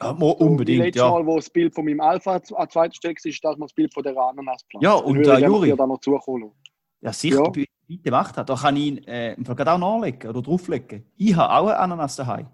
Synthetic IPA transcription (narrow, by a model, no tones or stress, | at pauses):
amoʔʊmbedɪŋlɛtjɔmɔːlʋosb̥ɪltfomimalfaat͡svaɪtə̥ʃtɛlksiːɪʃd̥asməsb̥ɪltfodɛːʁəanənaspflajɔːʊndajuʁiːdanɔt͡suəχoːloː | jɑsi̥b | bitːəmaχthad̥ɔːχɑninɛːimfalɡʁɑdaʊnɔːlɛkːəodəd̥ʁuflɛkːəiːɦa̰ʔa̰ʊəʔa̰nɐnasd̥ɐɦa̰ɪ